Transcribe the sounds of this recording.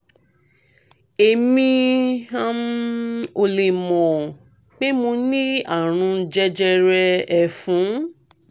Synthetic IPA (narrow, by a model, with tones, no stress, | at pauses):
e˨mĩ˧a˦ | o˧le˨mɔ̃˨ | k͡pe˦mo˧nĩ˦a˦˨ɾ̃ũ˧d͡ʒɛ˦d͡ʒɛ˧ɾɛ˧ɛ˨fũ˨˦